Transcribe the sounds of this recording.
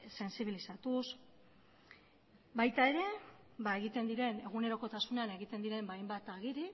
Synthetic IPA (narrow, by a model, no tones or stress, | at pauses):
se̞nsiβ̞ilisat̪us | bajt̪ae̞ɾe̞ | baeɣit̪e̞nd̪iɾe̞ne̞ɣ̞une̞ɾo̞ko̞t̪asuneane̞ɣit̪e̞nd̪iɾe̞mbajmbat̪aɣ̞iɾi